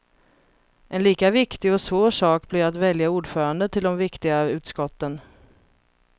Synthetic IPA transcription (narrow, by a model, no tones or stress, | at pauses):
ʔɛnliːkavɪkt̪ɪɡɔsvoːɾʂɑːk̚blɪɾat̪vɛljauːɖfœːɾand̪ət̪ʰɪld̪ɔmvɪkt̪ɪɡaʉ̟ːt̪skɔt̪ːən